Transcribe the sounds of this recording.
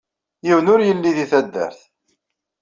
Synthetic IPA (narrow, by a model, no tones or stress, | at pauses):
jivnʊɾjəlːiðiθæd̪ːə̰ɾθ